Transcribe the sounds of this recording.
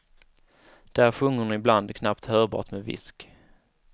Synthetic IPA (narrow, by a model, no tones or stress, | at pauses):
d̪̥æɾɧɵŋːʊɳɪbland̪kʰnapt̪hœːɾbɑ̰ːʈmevɪ̰sk